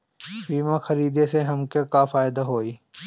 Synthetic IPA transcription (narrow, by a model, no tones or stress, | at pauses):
biːmãxɐɾiːd̪eseɦɐmkekafaːɪd̪aɦoːiː